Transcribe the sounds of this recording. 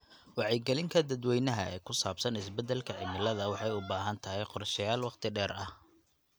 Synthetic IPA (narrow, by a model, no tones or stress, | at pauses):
wɑʕɛjɡɛlɪŋkʰɐd̪ɐd̪wɛjnɐɦɐʔɛ̰ːkʰʊsaːbsɐnɪsbɛd̪ɛlkʰɐʕɪmɪlɐðɐwɑħɑjʊbaːɦɐnt̪ʰɐɦɛjqɔrʃɐjaːlwɑqt̪ʰɪɖɛːɾɐh